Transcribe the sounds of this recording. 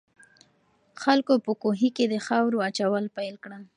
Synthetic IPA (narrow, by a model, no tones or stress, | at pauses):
xalkopəkoɦiked̪əxawɾoat͡ʃawəlpajlkɽəm